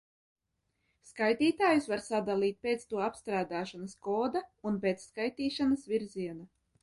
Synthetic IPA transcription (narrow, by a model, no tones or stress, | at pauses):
skajt̪iːt̪aːjusvaɾsad̪alˠiːt̪̚ʲpet̪st̪uɔapst̪ɾaːd̪aːʃanaskɔːd̪aunpeːt̪sːkajt̪iːʃanasvʲiɾziɛna